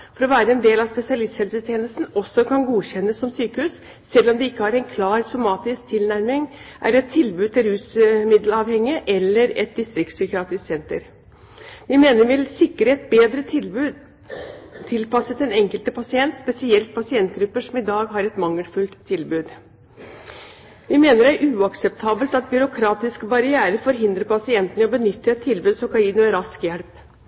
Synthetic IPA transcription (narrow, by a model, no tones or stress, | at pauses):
fɔɾɔʋæːɾəɛnd̪eːlɑʋspɛsɪɑlɪst̪shɛlsət̪ʰjeːnəst̪n̩ɔsːɔkʰɑnɡuːɕçɛnːəsːɔmsyːkəhʉːs | sɛlːɔmd̪ɛɪkːəhɑɾɛɪnkʰlɑːɾsɔmɑːt̪ɪsk̚t̪ʰɪlnæɾmɪŋʔæ̰ɾɛt̪ʰːɪlbʉd̪̚t̪ʰɪlhʉːsmɪd̪əlɑʋhɛŋːɪəʔɛlːəɾɛ̰t̪̚d̪ɪst̪ɾɪkt̪sʏkɪɑːt̪ɪssɛnt̪ə̰ɾ | ʋɪmeːnəɾʋɪlsɪkːɾəɛt̪̚beːd̪ɾə | t̪ʰːɪlpɑsət̪ɛnɛŋkəlt̪əpʰɑsɪɛnt̪spɛsɪɛlt̪̚pʰɑsɪɛnt̪ɡɾʉpːəʂɔmɪd̪ɑːɡɦɑɾɛt̪mɑŋːəlfʉlt̪ʰːɪlbʉːd̪ | ʋɪmeːnəɾæɾʔʉːɑksɛpt̪ʰɑːbəlt̪ɑt̪̚bʏɾʊkʰɾɑːt̪ɪskbɑɾɪæːɾəfɔɾɦɪnd̪ɾəpɑsɪɛnt̪ənəɔbənʏt̪ːəɛt̪ʰːɪlbʉːd̪sɔkɑiːnʊmɛɾɑskjɛɽp